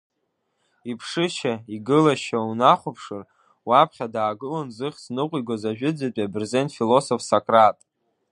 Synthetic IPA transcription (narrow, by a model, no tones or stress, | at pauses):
ipʰʂɨʃaiɡɨlaʃaunaχʷʊpʰʂɨr | wapʰχʲadaːɡɨlonzɨχʲsnɨqʷʼiɡʷazaʒᶣɨd͡zat͡pʼiabɨrzentfilo̞sofsakʼratʼ